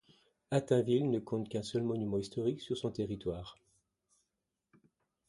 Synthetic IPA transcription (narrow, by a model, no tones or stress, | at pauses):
at̪ɛ̃vilnəkʰɔ̃t̪kɛ̃sœlmɔnymɑ̃ist̪ɔʁiksyʁsɔ̃t̪eʁit̪waːʁ